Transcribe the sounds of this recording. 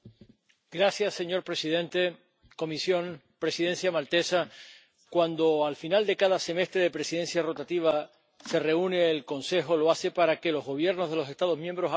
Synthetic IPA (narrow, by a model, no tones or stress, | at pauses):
ɡɾasjasːe̞ɲo̞ɾpɾe̞siðẽ̞nt̪e̞ | ko̞misjo̞ŋpɾe̞siðẽ̞nsjamalt̪e̞sa | kwand̪o̞alfinald̪e̞kaðase̞me̞st̪ɾe̞ðe̞pɾe̞siðe̞nsjaro̞t̪at̪iβ̞a | se̞re̞une̞ːlko̞nse̞xo̞lo̞ase̞paɾake̞lo̞zɣo̞β̞je̞ɾno̞zðe̞lo̞se̞st̪að̞o̞ɦmjembɾo̞sa